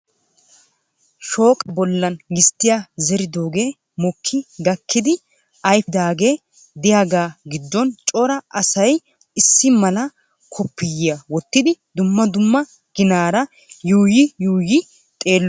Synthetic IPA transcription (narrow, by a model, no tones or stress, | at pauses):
ʃo̞ːkʼbɔlːɐnɡɪst̪ːɪjazɛɾɪd̪o̞ːɡe̞ː | mɔkʰːɪɡɐkːɪd̪ɪ | ʔɐjfɪd̪aːɡe̞ː | d̪ɪjaːɡaːɡɪd̪ːɔnt͡ʃʼɔɾɐʔɐsɐj | ɪsːɪmɐlɐ | kʰɔpːɪjɪjawɔt̪ːɪd̪ɪd̪ʊmːɐd̪ʊmːɐ | ɡ̥ɪnaːɾɐ | juːjɪjuːjɪ | t̪ʼe̞ːlːɔ